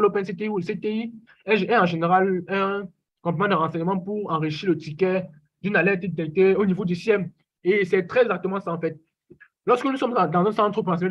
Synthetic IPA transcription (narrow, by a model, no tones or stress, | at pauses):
lɔpɛ̃set̪eiulset̪ei | ɛ̃ʒɛ̃ɑ̃ʒeneʁalɛ̃ | kɔ̃pmãd̪əʁɑ̃sɛɲəmɑ̃puʁɑ̃ʁiʃiʁlət̪ikɛ | d̪ynalɛt̪d̪et̪ɛk̚t̪eonivod̪ysjɛm | esɛt̪χɛzɛɡzak̚t̪əmɑ̃saɑ̃fɛt̪̚ | lɔʁskənusɔmd̪ɑ̃zɛ̃sɑ̃t̪χopɑ̃sɛɲ